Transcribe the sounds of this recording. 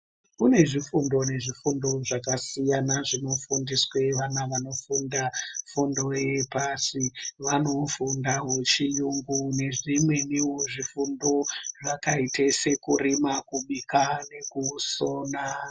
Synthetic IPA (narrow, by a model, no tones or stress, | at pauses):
kune̞ʐifundo̞ne̞ʐifundo̞ʐakasijanaʐino̞fundiswe̞ʋanaʋano̞fundafundo̞jepasiʋano̞fundawet͡ʃijuŋɡune̞ʐimwe̞niwoʐifundo̞ʐakaite̞se̞kṵrimakuɓikane̞kusoːna